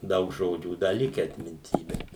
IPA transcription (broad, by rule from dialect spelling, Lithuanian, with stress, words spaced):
ˈdɐʊk ˈʒoːd͡ʒʲuː ˈdɐ ˈlʲɪkʲæː ɐtʲmʲɪnʲˈtʲiː ˈbʲɛt